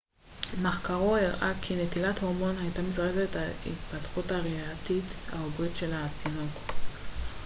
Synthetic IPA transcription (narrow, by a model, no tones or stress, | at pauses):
maχkaʁoiʁʔakʰinet̪ilat̪hoʁmo̞nhajtamizʁezetaḭt̪patχutaʁiat̪itha̰obʁitʃe̞latinok